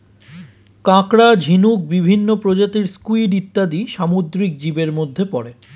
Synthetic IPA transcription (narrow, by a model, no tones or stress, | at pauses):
kãkɽad͡ʑʱinuk̚bibʱinːopɾod͡ʑat̪iɾskuiɖit̪ːad̪iʃamod̪ɾik̚d͡ʑibeɾmod̪ʱːepɔɾe